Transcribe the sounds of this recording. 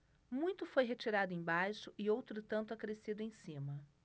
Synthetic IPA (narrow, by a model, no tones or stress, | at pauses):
mũj̃t̪ʊfojɦet͡ʃiɾad̪ʊẽj̃bajʃʊʔɪowt̪ɾʊt̪ɐ̃nt̪ʊakɾesid̪ʊẽj̃sĩmɐ